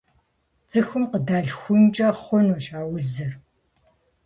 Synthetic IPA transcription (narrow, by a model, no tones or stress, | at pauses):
t͡sʼɨxʊmqədaːɮxʷʊnt͡ʃʼɐχʷʊnuʃaːwʊzɨr